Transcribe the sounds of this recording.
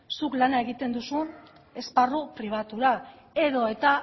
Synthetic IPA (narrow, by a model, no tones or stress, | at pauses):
suklanae̞ɣit̪e̞nd̪usun | e̞sparupɾiβ̞at̪uɾa | e̞ðo̞e̞t̪a